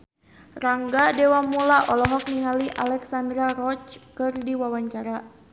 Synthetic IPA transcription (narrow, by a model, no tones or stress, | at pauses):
raŋɡadɛwamulaʔɔlɔɦɔk̚niŋaliʔalɛksandɾaɾɔt͡ʃkɨrdiwawaɲt͡ʃaɾa